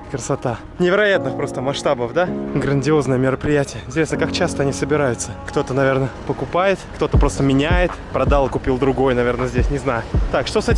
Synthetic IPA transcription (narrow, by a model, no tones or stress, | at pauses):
kɾəsɐt̪a | nʲɪvʲɪɾɐjat̪nɨxpɾo̞st̪əmɐʂt̪abəfd̪aɡɾənʲdʲɪo̞znəjəmʲɪɾəpɾʲɪjætʲɪjəɪnʲtʲɪɾʲe̞snəkakt͡ɕast̪əɐnʲisəbʲɪɾajʊt̪səkt̪o̞t̪ənɐvʲe̞rnəpəkʊpajɪt̪kt̪o̞t̪əpɾo̞st̪əmʲɪnʲæjɪt̪pɾɐd̪alˠkʊpʲilˠd̪ɾʊɡo̞jnɐvʲe̞rnəzʲdʲesʲnʲɪznajʊt̪akʂt̪o̞sɛtʲɪm